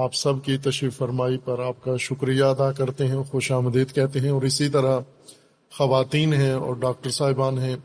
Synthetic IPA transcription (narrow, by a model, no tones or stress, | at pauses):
aːpsɐbkit̪ɐʃɾiːfɐɾmaːipɐɾaːp̚kaʃʊkɾijaɐd̪akɐɾt̪eɦɛ̃xoʃaːmd̪iːd̪kɛɦt̪eɦɛ̃ɔːɾɪsit̪ɐɾə | xɐʋaːt̪iːnɦɛ̃ɔ̰ːɾɖaːk̚ʈəɾsaːɦɪbaːnɦɛ̃ː